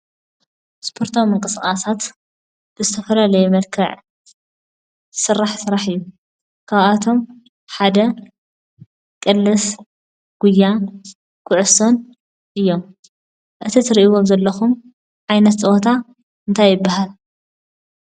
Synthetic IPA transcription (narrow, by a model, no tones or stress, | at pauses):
spʰo̞ɾt̪ʰomːɨŋkʼɨsχʼasat̪ | b̥ɨzɨt̪ʰɐfɐlalɐjɛmɐlkʰɐʕ | sɨrːaħsɨɾaħɨjːu | kʰaβʔat̪ʰo̞m | ħad̪ɐ | kʼɨlːɨs | ɡ̥ujːa | kʰʊʕʊson | ʔɨjːo̞m | ʔɨt̪ʰit̪ʰɨɾiʔiwomzɐlːɐxum | ʕajnɐt̪t͡sʼɨwot̪ʰa | ɨnt̪ʰajːɨbːaɦal